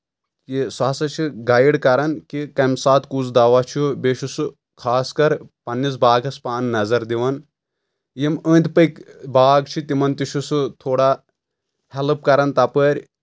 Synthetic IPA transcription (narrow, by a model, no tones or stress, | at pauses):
kisaːsɐt͡ʃʰiɡajiɽkɐɾɐnkikɐmsaːt̪kuzd̪aʋat͡ʃʰubeːʃusu | kʰaːskɐɾpɐnːis̬baːɡɐspaːnnɐzɐɾd̪iʋɐn | jiməːnʲt̪pɐkbaːɡt͡ʃʰit̪imɐnt̪iʃʰusut̪ʰoːɽa | hɛlɨp̚kɐɾɐnt̪ɐpəɾʲ